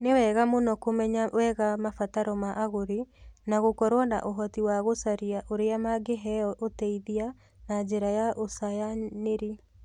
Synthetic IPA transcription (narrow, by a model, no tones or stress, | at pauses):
newɛɣamonɔkomɛɲawɛɣamafataɾɔmaʔaɣoɾinaɣokɔɾwana̰ʔoɦɔtiwaɣosaɾiaʔoɾeamaɡeɦɛɔotɛiðia | nad͡ʑeɾajaʔosajaneɾi